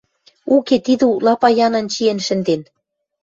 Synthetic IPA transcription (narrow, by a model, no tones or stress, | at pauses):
uket̪id̪ɘuklɑpɑjɑnɤ̆nt͡ɕienʃɘ̆nd̪en